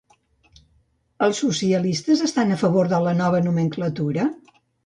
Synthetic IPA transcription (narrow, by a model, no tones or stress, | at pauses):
əlˠsːusiəlist̪əzəst̪anəfəβoɾðələnɔβ̞ənuməŋklət̪uɾə